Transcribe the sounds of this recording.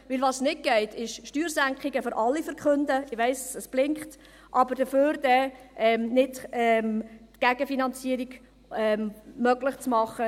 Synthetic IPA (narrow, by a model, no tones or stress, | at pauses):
ʋɪlʋɑsnɪt̚ɡ̥ɛɪtʰɪʃʃtyːɾsæŋkχiɡəføɾʔɑlːifəɾkχɵndəɪʋɛɪsəsb̥lɪŋkχt | ʔɑbəɾd̥əføːɾd̥ɛʔɛmnɪdɛmtɡ̥æɡ̥əfinɑnt͡siːəɾiɡ | ɛmmœɡlɪχt͡smɑχə